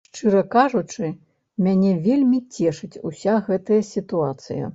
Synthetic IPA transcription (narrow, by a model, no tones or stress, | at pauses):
ʂt͡ʂɨɾɐkaʐut͡ʂɨ | mʲanʲɛvʲelʲmʲit͡sʲɛʂɨt͡sʲusʲaɣɛt̪ɐjɐsʲit̪uat̪sɨ̰jɐ̰